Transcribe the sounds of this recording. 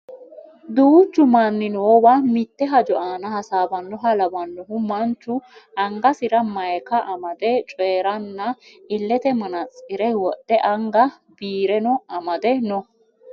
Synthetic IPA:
d̪uːt͡ʃːʊmɐnːɪnɔːwamɪt̪ːɛɦɐd͡ʒɔaːnɐhɐsaːbɐnːɔɦɐlɐbɐnːɔɦʊmɐnt͡ʃːʊʔɐŋɡɐsɪɾɐmɐjkɐʔɐmɐd̪ɛt͡ʃʼɔjːɾɐnːɐɪlːɛt̪ɛmɐnɐt͡sʼɪɾɛwɔʔ̪ːɛʔɐŋɡɐ | biːɾɛnɔɐmɐd̪ɛnɔ

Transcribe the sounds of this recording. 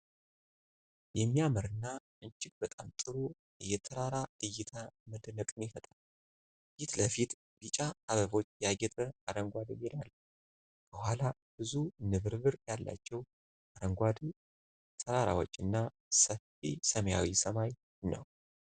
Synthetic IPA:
jɛmːijaməɾɨnːaʔɨnt͡ʃɪk̚bət̪ʼamt̪ʼɨɾo | ɨjːɛt̪ʰəɾaɾaɨjːɪt̪ʰaməd̪nəkʼɨnɪfət̪ʼal | jɪt̪ləfit̪ | lɨt͡ʃʼaaβəβo̞t͡ʃːjaɡɛt̪ʼəaɾəŋɡʷad̪ɨmid̪alː | bəhʷala | b̥ɨzunɨβɨɾβɨɾjalːa̰t͡ʃːɛw | ʔaɾəŋɡʷad̪ | t̪ʰəɾaɾa̰wɔt͡ʃʼːɨnːa | səfisəməjawisəmaj | nə̰w

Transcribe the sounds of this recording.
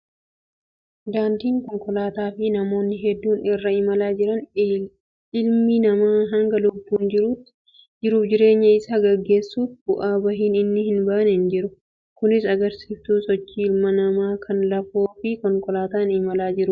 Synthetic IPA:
d̪aːnt̪iːŋkɔŋkɔlaːt̪aːfɪnɐmo̞ːnːɪɦɛd̪ːuːnɪrːɐɪmɐlaːd͡ʒɪɾɐn | ʔɪlminɐmaːɦɐŋɡɐlʊbːuːnd͡ʒɪɾuːt̪ːɪ̥ | d͡ʒɪɾuːfd͡ʒɪɾe̞ːɲːɐɪsaːɡɐɡːe̞ːsːuːfbʊʔaːbɐɦiːnɪnːɪhɪnbaːʔnɛɪnd͡ʒɪɾʊ | kʊnɪsɐɡɐɾsiːft̪uːsɔt͡ʃːiɪlmɐnɐmaːkʰɐnlɐfoːfɪkɔŋkɔlaːt̪aːnɪmɐlaːd͡ʒɪɾʊ

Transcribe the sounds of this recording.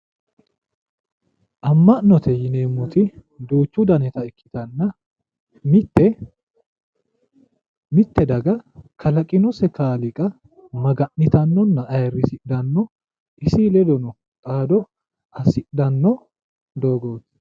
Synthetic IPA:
ʔɐmːɐʔnːɔt̪ʰɛjɪneːmːʊt̪ɪ | d̪uːt͡ʃːʊd̪ɐnɛt̪ɐɪkʰːɪ̥t̪ɐnːɐ | mɪt̪ːɛ | mɪt̪ːɛd̪ɐɡɐkʰɐlɐkʼɪnɔsɛkaːlɪkʼɐ | mɐɡɐʔːɪt̪ɐnːɔnːɐʔɐjrːɪsɪʔd̪ɐnːɔ | ɪsilɛd̪ɔnɔ | kʼaːd̪ɔ | ʔɐsɪʔd̪ɐnːɔ | d̪o̞ːɡoːt̪

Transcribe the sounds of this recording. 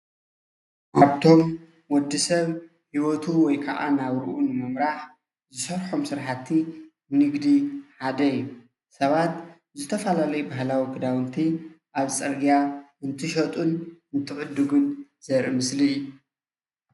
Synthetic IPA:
ʔaβt̪ʰo̞m | wɔd̪ːisɐβ | hiwot̪ʰuwɔjkʰɐʔa̰naβɾɨʔunɨmɨmɾaħ | zɨsɐɾħomsɨɾħat̪ʰːi | nɨɡd̪iħad̪ɐiju | sɐβat̪ | zɨt̪ʰɐfalalɐjubaɦlawikɨd̪awɨnt̪ʰi | ʔaβt͡sʼɐɾɡijaɨnt̪ʰɨʃɐt̪ʼunɨnt̪ʰɨʕʊd̪ːɨɡɨnz̥ɐɾimɨsliju

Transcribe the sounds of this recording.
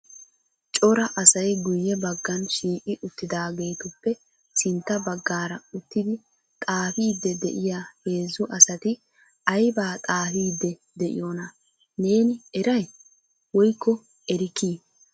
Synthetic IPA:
t͡ʃʼɔɾɐʔɐsɐjɡʊjːɛbɐɡːɐnʃiːkʼɪʔʊt̪ːɪd̪aːɡe̞ːt̪ʊpːɛ | sɪnt̪ːɐbɐɡːaːɾɐʊt̪ːɪd̪ɪ | t̪ʼaːfiːd̪ːɛd̪ɛ̰ʔɪjaːhe̞ːzːʊʔɐsɐt̪ɪ | ɐjbaːt̪ʼaːfiːd̪ːɛ | d̪ɛʔɪ̰jonɐ | ne̞ːnɪɛɾɐj | wɔjkːɔ | ɛɾɪkiː

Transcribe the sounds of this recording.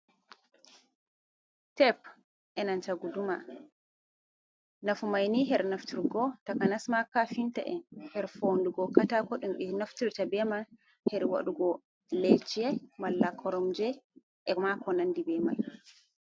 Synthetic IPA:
tɛp | ʔɛnant͡ʃaɡuduma̰ | nafumajniɦɛɾnaftiɾɡɔtakanasmakafinta̰ʔɛ̰nhɛɾfonduɡɔkatakɔɗumɗinaftiɾtabɛman | hɛɾwa̰ɗuɡɔ | let͡ʃiɛmalːakʰɔɾɔmd͡ʒɛ | ʔɛmakɔnandibɛma̰j

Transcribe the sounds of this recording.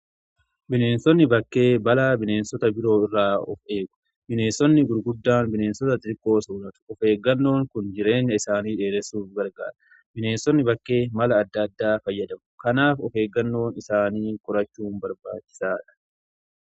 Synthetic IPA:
bɪne̞ːnsɔnːɪbɐkːe̞ːbɐlaːbɪne̞ːnsɔt̪ɐbɪɾo̞ːɪrːaːɔfe̞ːɡʊ̥ | bɪne̞ːnsɔnːɪɡʊɾɡʊd̪ːaːnbɪne̞ːnsɔt̪ɐt̪ɪɾkːo̞ːsʊnɐt̪ʊ̥ɔfe̞ːɡːɐnːo̞ːŋkʊnd͡ʒɪɾe̞ːɲːɐɪsaːniːᶑe̞ːɾɛsuːfɡɐɾɡa̰ːɾɐ̥ | bɪne̞ːnsɔnːɪbɐkːe̞ːmɐlɐːd̪ːɐd̪ːaːfɐjːɐd̪ɐmʊkɐnaːfɔfe̞ːɡːɐnːo̞ːnɪsaːniːkʼɔɾɐt͡ʃːuːnbɐɾba̰ːt͡ʃːɪ̥saːᶑɐ̥

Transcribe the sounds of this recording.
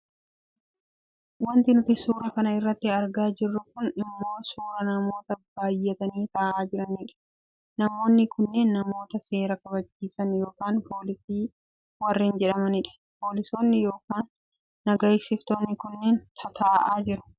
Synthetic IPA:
wɐnt̪ɪnʊt̪ɪsuːɾɐkɐnɐɪrːɐt̪ːɪɐɾɡaːd͡ʒɪrːʊkʊnɪmːo̞ːsuːɾɐnɐmo̞ːt̪ɐbaːjːɛt̪ɐniːt̪aːʔaːd͡ʒɪɾɐniᶑɐ̥ | nɐmo̞ːnːɪkʊnːeːnːɐmo̞ːt̪ɐse̞ːɾɐkɐβɐd͡ʒːiːsɐnjo̞ːkaːnpo̞ːlɪsiː | wɐrːɪːnd͡ʒɛᶑɐmɐnɪᶑɐ̥ | po̞ːlɪso̞ːnːɪjo̞ːkaːnː | ɐɡɐɪksɪft̪o̞ːnːɪkʊnːeːnt̪ʰɐt̪ʰaːʔaːd͡ʒɪɾʊ̥

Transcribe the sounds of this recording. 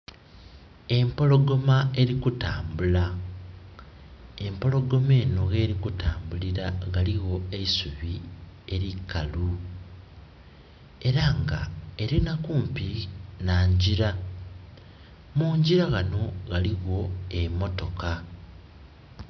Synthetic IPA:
e̞mpo̞lo̞ɡo̞mae̞ɾikutaːmbula | e̞mpo̞lo̞ɡo̞me̞ːno̞ɣe̞ːɾikutaːmbuliɾaɣaliɣo̞e̞isuβie̞ɾikːalu | e̞ɾaŋɡa̰e̞ɾinakuːmpinaːɲɟiɾa | muːɲɟiɾaɣano̞ɣaliɣo̞emo̞to̞ka

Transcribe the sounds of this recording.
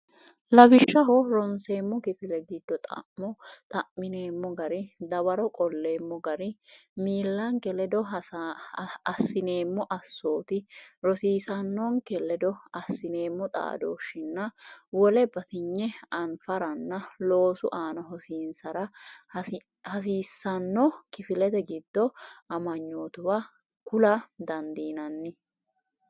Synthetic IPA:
lɐbɪʃːɐɦɔɾɔnse̞ːmːɔkɪfɪlɛɡɪd̪ːɔt̪ʼɐ̰ʔmɔt̪ʼɐʔmɪneːmːɔɡɐɾɪd̪ɐbɐɾɔkʼɔlːe̞ːmːɔɡɐɾɪmiːlːɐŋkɛlɛd̪ɔ | ɐsːɪne̞ːmːɔʔɐsːo̞ːt̪ɪɾɔsiːsɐnːɔŋkɛlɛd̪ɔɐsːɪne̞ːmːɔt̪ʼa̰ːd̪oːʃɪnːɐwɔlɛbɐt̪ɪɲːɛɐnfɐɾɐnːɐlo̞ːsʊʔaːnɐɦɔsiːnsɐɾɐ | hɐs̬iːsːɐnːɔkɪfɪlɛt̪ɛɡɪd̪ːɔɐmɐɲːoːt̪ʊwa | kʊlad̪ɐnd̪iːnɐnːɪ

